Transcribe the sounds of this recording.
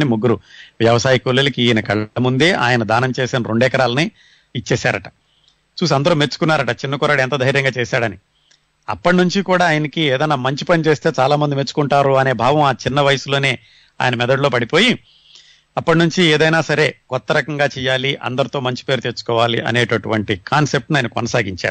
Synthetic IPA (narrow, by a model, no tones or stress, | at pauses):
nimuɡːuɾuʋjɐʋɐsaːjikoːlːilɐkiːnɐkɐɭɐmund̪e̞ːʔa̰ːjɐnɐd̪aːnɐmt͡ʃe̞ːsenɐɾoɳɖɛːkɐɾaːlɐniː | t͡ʃːeːsaːɾɐʈɐ̥ | t͡ʃuːs̬iɐnd̪ɐɾuːme̞t͡ʃːu̥kunːaːɾɐʈɐt͡ʃinːɐkɔːɾaːɽiɛnt̪ɐd̪ʱɐɦjɾjɐŋɡaːt͡ʃeːsaːɽɐni | ɐ̰pːɐʈnuɲt͡ʃikuːɽaːjɐnɐkieːd̪ɐjnaːmɐɲt͡ʃipɐnit͡ʃe̞ːst̪e̞ːt͡ʃaːlaːmɐnd̪ime̞t͡ʃːu̥kuɳʈaːɾuɐne̞ːbʱaːʋɐmaːt͡ʃinːɐʋɐjɐsulo̞ːne̞ː | a̰ːjɐnɐmɛd̪ɐɖloːpɐɽipo̞ːji | ɐpːɐʈnuɲt͡ʃieːd̪ɐjnaːsɐɾe̞ːkɔt̪ːɐɾɐkɐŋɡaːt͡ʃɛːjaːliʔɐ̰nd̪ɐɾut̪o̞ːmɐɲt͡ʃi̥pe̞ːɾut̪et͡ʃːu̥kɔːʋaːliʔɐ̰neːʈɐʈuʋɐɳʈikʰaːnsep̚ʈniaːjɐnɐkɔ̰nɐsaːɡiɲt͡ʃa̰ːɾu